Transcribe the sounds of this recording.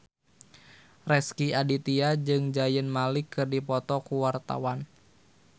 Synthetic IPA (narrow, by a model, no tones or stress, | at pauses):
rɛskiadit̪iad͡ʒɨŋd͡ʒajənmalikːɨrdipɔt̪ɔkuwart̪a̰wan